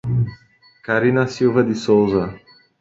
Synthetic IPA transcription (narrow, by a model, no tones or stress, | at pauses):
kaɾinɐsiwvɐd̪ɪsowzɐ